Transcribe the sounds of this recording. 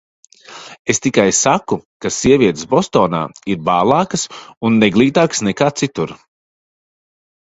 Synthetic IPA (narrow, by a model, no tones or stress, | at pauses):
est̪ikajsakukasiɛvʲiɛt̪sbɔst̪ɔːna̰ːiɾbaːlˠɑːkəsunːɛɡlˠiːt̪aːksnɛkaːt̪sit̪uɾ